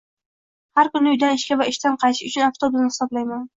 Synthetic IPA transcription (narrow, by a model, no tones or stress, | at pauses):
haɾkʊnɪʊjd̪anɪʃkʲavaɪʃt̪anqʰɑjʃɪʊt͡ʃʰʊnaft̪ʰobznɪhɪ̥sɒblajman